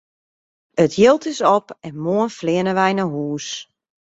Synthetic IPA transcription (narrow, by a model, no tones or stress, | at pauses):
ətʰjɪlˠtɪsɔpɛnmoənflɪənəʋɛjnəɦuːs